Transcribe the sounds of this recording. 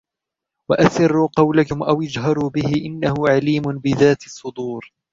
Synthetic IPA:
waʔaθɪrːuqɑwlakʊmʔawʔad͡ʒɦɑɾˤuːbɪhɪʔɪnːahʊʕaliːmʊnbɪðaːt̪ɑsˤːʊd̪uːɾ

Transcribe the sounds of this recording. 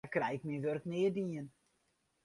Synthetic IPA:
krɛjɪkmiʋørknɪːədiːən

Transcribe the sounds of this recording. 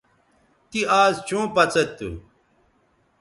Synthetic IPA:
t̪iaːzt͡ɕũːpɐt͡sɐt̪ːṵ

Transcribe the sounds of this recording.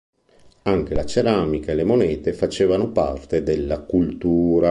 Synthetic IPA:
aŋk̟elat͡ʃeɾamikaelemonɛːt̪efat͡ʃeːvanopa̰rt̪ed̪elːakult̪uːɾa

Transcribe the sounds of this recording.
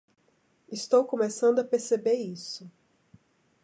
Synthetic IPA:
ist̪owkomesɐ̃nd̪ʊɐpeɾsebeɾisʊ

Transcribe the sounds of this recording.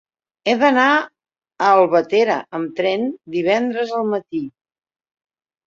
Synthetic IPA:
ɛðəna | əːlˠβət̪eɾə̰əmt̪ɾɛnd̪iβ̞ɛnd̪ɾəzəlˠmət̪i

